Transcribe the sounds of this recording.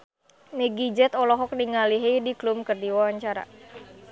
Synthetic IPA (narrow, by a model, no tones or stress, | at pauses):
meɡid͡ʒɛt̪ɔlɔɦɔk̚niŋaliɦediklumkərdiwawaɲt͡ʃaɾa̰